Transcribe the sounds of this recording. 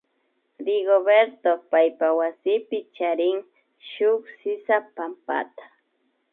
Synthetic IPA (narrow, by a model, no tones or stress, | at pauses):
ɾɪɡoβeɾt̪opajpawasɪpɪt͡ʃaɾɪŋ | ʃʊksɪsapampa̰t̪ḁ